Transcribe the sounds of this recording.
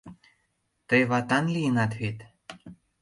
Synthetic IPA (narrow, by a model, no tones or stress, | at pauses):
t̪ɤjβɑt̪ɑnlijənɑt̪βet̪